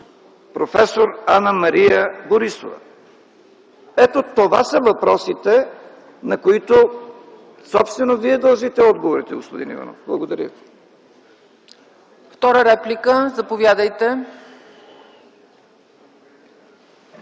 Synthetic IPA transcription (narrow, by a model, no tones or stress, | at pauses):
pɾofɛsoɾanəmɐɾijəboɾiso̰və̰ | ɛt̪ot̪ova̰səvɐpɾɔsit̪ɛ | nɐkoit̪o | sɔpst̪vɛnoviɛd̪ɐlˠʒit̪ɛɔd̪ɡovoɾit̪ɛɡospod̪inḭva̰nɔ̰fblˠɐɡod̪ɐɾʲə̰vi | ft̪ɔɾəɾɛplikəzɐpovjad̪əjt̪ɛ